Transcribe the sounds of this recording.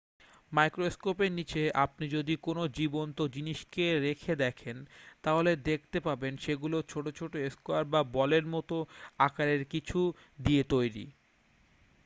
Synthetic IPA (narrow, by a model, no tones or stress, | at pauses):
majkɾoskopeɾnit͡ɕeʔap̚nid͡ʑod̪ikonod͡ʑibont̪od͡ʑiniʃkeɾekʰed̪ɛkʰent̪aɦoled̪ekʰt̪epabenʃeɡulot͡ɕʰoʈot͡ɕʰoʈoeskoaɾbabɔleɾmɔt̪oakaɾeɾkit͡ɕʰu | d̪iet̪ojɾḭ